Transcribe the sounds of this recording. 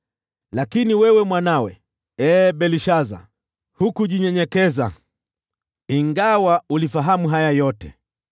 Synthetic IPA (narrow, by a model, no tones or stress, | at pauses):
lakiniwɛwɛmwanawɛ | ɛːɓɛliʃaza̰ | hukuʄiɲɛɲɛkɛza̰ | iŋɡawaulifaɦamuɦajajɔtɛ̰